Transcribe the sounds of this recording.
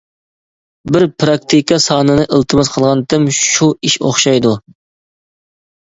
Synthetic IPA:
bɪɾpɾɑk̚t̪ʰikʰɑsɑːnɨnɨʔəlˠt̪ʰɨmɨzqʰəlˠʁɑnd̪ɨmʃuiʃo̰χʃɑjd̪u

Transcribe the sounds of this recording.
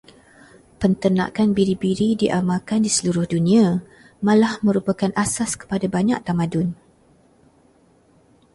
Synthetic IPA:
pənt̪ənã̰kanbiɾibiɾidiʔamalkandisəluɾʊhdunĩã | mãlahmə̃ɾupakanʔasaskə̥padabaɲaʔ̚t̪amadʊn

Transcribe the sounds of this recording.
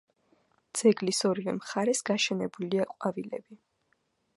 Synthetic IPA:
d̪z̥ɛɡlisɔɾivɛmχaɾɛsɡaʃɛnɛbuliaqʼwavilɛ̰bi

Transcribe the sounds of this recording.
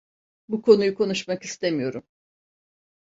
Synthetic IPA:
bukʰo̞nujukʰo̞nuʃmakist̪ʰe̞mijo̞ɾum

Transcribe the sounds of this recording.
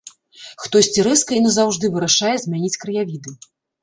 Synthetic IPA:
xt̪ɔsʲt͡sʲiɾɨskɐinɐzawʐd̪ɨvɨɾɐʂajɛzʲmʲanʲit͡sʲkɾɐjavʲid̪ɨ

